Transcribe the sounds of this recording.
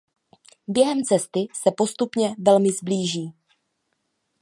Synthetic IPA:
bjɛɦɛmt͡sɛst̪ɪsɛpo̞st̪upɲɛvɛlmɪzbliːʒiː

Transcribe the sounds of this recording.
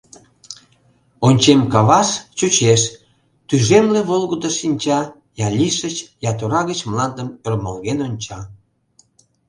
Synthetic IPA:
onʲt͡ɕemkɑβɑst͡ɕut͡ɕeʃ | t̪yʒemleβolɣəd̪əʃinʲt͡ɕɑ | jɑlʲiʃət͡ɕjɑt̪oɾɑɣət͡ɕmlɑnd̪əmørməlɣenonʲt͡ɕɑ

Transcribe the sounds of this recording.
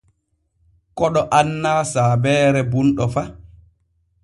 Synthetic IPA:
kɔɗɔʔanːaːsaːbɛːɾɛbunɗɔfa

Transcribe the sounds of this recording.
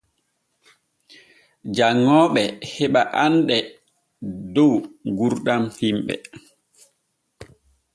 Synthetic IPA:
d͡ʒaŋːɔːɓɛhɛɓaʔanɗɛ | dɔwɡuɾɗamhimɓɛ̰

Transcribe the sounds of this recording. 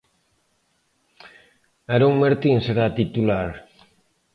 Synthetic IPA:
aɾuŋmeɾt̪inseɾat̪it̪ulaɾ

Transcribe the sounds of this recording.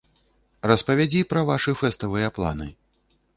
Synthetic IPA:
rɐspɐvʲad͡zʲipɾɐvaʂɨfɛst̪ɐvɨjɛplˠa̰nɨ

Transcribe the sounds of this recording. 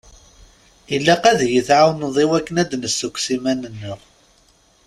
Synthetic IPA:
ilːæqæðjəθʕawnðˤiwækːənæd̪nəsːəkʷsimænənːəʁ

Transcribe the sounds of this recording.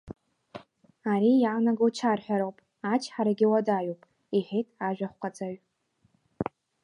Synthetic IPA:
aɾijaːnaɡowt͡ʃʰarħʷᶣaɾowpʼ | at͡ʃʰʼħaɾaɡʲɪwadajuwpʼ | iħetʼaʒᶣʷaχʷqʷʰʼat͡sʼaɥʷ

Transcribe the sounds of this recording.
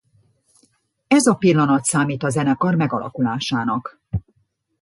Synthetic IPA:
ɛzɒpilːɒnɒt̪saːmiːt̪ɒzɛnɛkɒrmɛɡɒ̰lɒ̰kulaːʃaːnɒk

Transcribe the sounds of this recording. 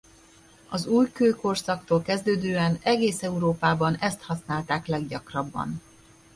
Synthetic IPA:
ɒzuːjkøːko̞rsɒk̚t̪oːlkɛzd̪øːd̪øːɛnɛɡeːsɛuɾoːpaːbɒnɛst̪hɒsnaːlt̪aːklɛɡɟɒkrɒbːɒ̰n

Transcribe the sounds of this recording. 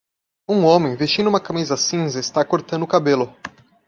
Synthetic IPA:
ũõmẽj̃vest͡ʃĩnd̪umɐkamizɐsĩzɐɪst̪akoɾt̪ɐ̃nd̪ʊkabelʊ

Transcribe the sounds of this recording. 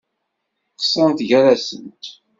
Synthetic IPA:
qːsˤənt̪ʝæɾæsə̰nt̪

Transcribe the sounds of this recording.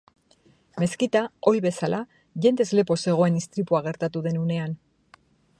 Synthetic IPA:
me̞skit̪ao̞jβe̞salʔa | ʝe̞nd̪e̞zle̞po̞se̞ɣ̞o̞e̞nist̪ɾipuaɣ̞e̞ɾt̪at̪uðe̞nune̞an

